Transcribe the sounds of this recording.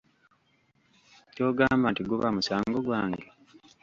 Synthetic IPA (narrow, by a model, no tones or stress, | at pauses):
coːɡaːmbantiɡuβamusaːŋɡoɡwaːŋɡe